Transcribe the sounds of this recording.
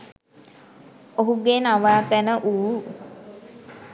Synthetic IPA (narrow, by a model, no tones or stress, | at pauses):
oɦuɡenaʋaːt̪ænəʔuː